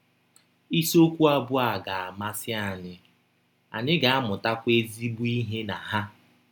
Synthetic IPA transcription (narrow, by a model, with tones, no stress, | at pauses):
i˦so˦kʷu˦a˦bʊ˦a˨ɡa˨a˨ma˦sɪ˦a˨ɲɪ˨ | a̰˨ɲɪ˦ɡa˨a˦mʊ˨ta˦kʷe˦zi˦bu˦i˦ɦe˦na˨ɦa˦